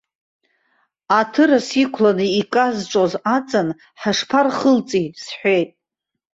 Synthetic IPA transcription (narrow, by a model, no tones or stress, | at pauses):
atʰɨɾasikʷʰlanɨikʼazʈ͡ʂʷʼozat͡sʼan | ħaʂpʰarχəlt͡sʼisħʷejtʼ